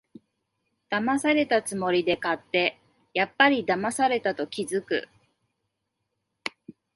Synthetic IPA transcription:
d̪̥amasaɾe̞t̪at͡sɨmo̞ɾʲid̪e̞kat̪ːe̞ | japːaɾʲid̪amasaɾe̞t̪at̪o̞kʲizɨkɯ̰

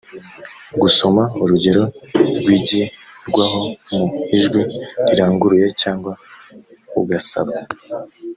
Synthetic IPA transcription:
ɡuso̞mauɾuɟe̞ɾo̞ɾɡwiːɟiɾɡwaɦo̞muiʒɡwiɾiɾaːŋɡuɾuje̞caːŋɡwa | ṵɡasa̰βa

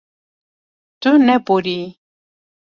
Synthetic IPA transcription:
t̪unɛpoɾi

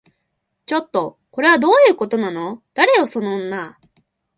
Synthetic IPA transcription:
t͡ɕo̞t̪ːo̞ | ko̞ɾe̞β̞ad̪o̞ːjɯ̟ːko̞t̪o̞nano̞d̪̥aɾe̞joso̞noːnːa

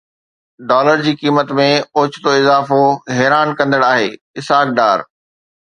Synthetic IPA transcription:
ɖɔːləɾd͡ʑiːkiːmət̪mẽoːt͡ɕɪt̪oɪzaːfoɦɛːɾaːnkɐ̃nd̪əɽaːɦeː | ɪsaːk̚ɖaːɾ

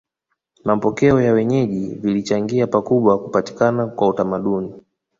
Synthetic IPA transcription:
mapɔkɛɔjawɛɲɛʄivilit͡ʃaŋɡiapakuɓwakupati̥kanakwautamaɗuni

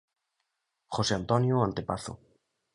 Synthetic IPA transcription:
χoseant̪ɔnjoant̪epaθo̰

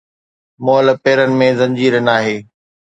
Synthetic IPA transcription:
moːlpeːɾənɪ̆mẽzɐ̃ɲd͡ʑiːɾənaːɦeː

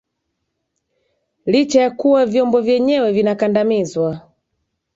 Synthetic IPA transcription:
lit͡ʃajakuwavjɔmbɔvjɛɲɛwɛvinakandamizwa

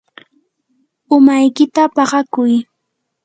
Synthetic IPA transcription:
ʊmajkɪt̪apɑɢɑkʊj

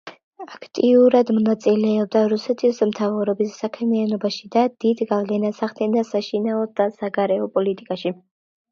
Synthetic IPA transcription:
akʰt̪ʼiuɾad̪mɔnat̪sʼilɛɔb̚d̪aɾusɛt̪ʰismt̪ʰavɾɔbisːakʰmianɔbaʃid̪ad̪̥id̪ɡavlɛnasaχt̪ɛnasaʃinaɔd̪asaɡaɾɛɔpʼɔlit̪ʼikʼaʃi

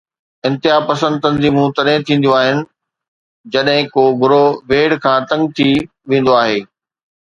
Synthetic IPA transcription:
ɪ̃nt̪ɪɦaːpɐsə̃nd̪̚t̪ɐnziːmũt̪ɐɗɦɪ̃t̪ʰĩːnd̪ijoaːɦɪnɪ̆ | d͡ʑɐɗɦɪ̃koːɡʱʊɾoʋeːɽkʰãːt̪ɐ̃ŋɡ̚t̪ʰi | ʋẽːn̆d̪oaːɦeː

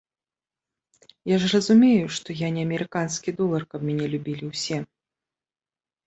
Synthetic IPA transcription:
jaʐrɐzumʲejuʂt̪ɔjanʲɛɐmʲɛɾɨkanskʲid̪ɔlˠɐrkɐbmʲɛnʲɛlʲubʲilʲiwsʲɛ

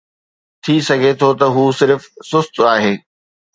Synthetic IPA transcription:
t̪ʰisɐɡʱet̪ʰot̪ɐɦuːsɪɾfsʊst̪aːɦeː

